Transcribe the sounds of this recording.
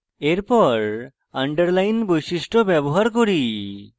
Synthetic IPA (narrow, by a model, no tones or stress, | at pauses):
eɾpɔɾ | aɳɖəɾlajnbojsiʃʈobɛboɦaɾkoɾi